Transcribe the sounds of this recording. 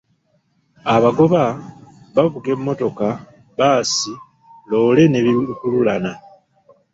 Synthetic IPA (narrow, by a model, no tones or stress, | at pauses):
aβaɡo̞βa | βaβuɡe̞mːo̞to̞ka | βaːsi | lo̞ːle̞ne̞βikululana